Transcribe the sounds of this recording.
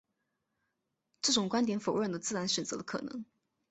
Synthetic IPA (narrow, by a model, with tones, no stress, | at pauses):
ʈ͡ʂɤ˥˩ʈ͡ʂʊ˨˩ŋkwa˥nt̪jɛ˧˥nfo˨˩ʊɻə˥˩nd̪ə˩t͡sɹ̩˥˩ɻa˧˥nɕɥɛ˨˩nt͡sɤ̰˧˥d̪ə˧kʰɤ̰˨˩nɤ̰˧˥ŋ